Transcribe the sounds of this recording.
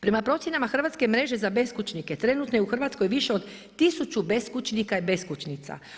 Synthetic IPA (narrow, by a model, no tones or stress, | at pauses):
pɾe̞mapɾo̞t̪sjenamaxr̩ʋat̪skemɾe̞ʒe̞zabe̞skut͡ʃnike̞t̪ɾe̞nut̪nojeuxr̩ʋat̪sko̞jʋiʃe̞o̞d̪ | t̪isut͡ʃube̞skut͡ʃnikaibe̞skut͡ʃnit̪sa̰